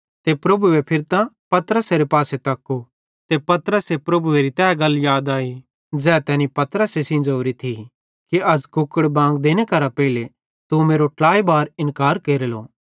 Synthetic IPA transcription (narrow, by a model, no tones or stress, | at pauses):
t̪epɾɐbuepʰɪɾt̪ãpɐt̪əɾəseɾepaːset̪ɐkːo | t̪epɐt̪ɾəsepɾɐbueːɾit̪ɛːɡɐljaːd̪aːiː | d͡zɛːt̪ɛːnĩpɐt̪əɾəsesĩnd͡ʒoːɾit̪ʰi | kiɐd͡zkʊkːəɽbãːŋɡd̪eːnekɐɾapɛɪle | t̪umeːɾoʈlaːibaːɾɪ̃nkaːɾkeːɾelo̰ː